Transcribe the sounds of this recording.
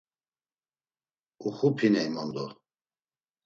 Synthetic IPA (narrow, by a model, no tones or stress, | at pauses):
uxupʰinɛimɔnd̪ɔ